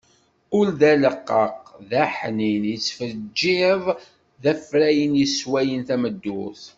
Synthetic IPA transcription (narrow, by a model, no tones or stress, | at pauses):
ʊlðæləqːəqðæħninjət͡sːfəd͡ʒːɪðˤ | ðæfɾæjənjəswæjənθæməd̪ːʊθ